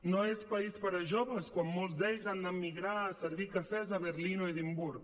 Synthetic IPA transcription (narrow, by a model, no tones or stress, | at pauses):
noɛspaispaɾaʒoβəskwamːolzd̪ɛʎzand̪amːiɣɾaːseɾβikafɛz̬aβeɾlinoeðimbuɾ